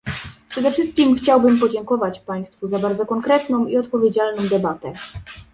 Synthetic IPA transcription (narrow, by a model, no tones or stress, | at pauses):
pʂɛd̪ɛfʂɘst̪̚kʲimxt͡ɕawbɘmpɔd͡ʑɛŋkɔvat͡ɕpaj̃st̪fuzabaɾd̪zɔkɔŋkɾɛt̪nɔ̃w̃iɔt̪̚pɔvʲjed͡ʑalnɔ̃w̃d̪ɛbat̪ɛ